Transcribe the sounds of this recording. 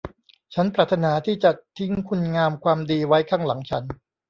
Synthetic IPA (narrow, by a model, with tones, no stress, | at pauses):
t͡ɕʰa˦˥npɾaː˨˩t̪ʰːa˧naː˩˦t̪ʰiː˥˩t͡ɕa˨˩t̪ʰi˦˥ŋkʰu˧nŋaː˧mkʰwaː˧mdiː˧wa˦˥jkʰaː˥˩ŋla˩˦ŋt͡ɕʰa˦˥n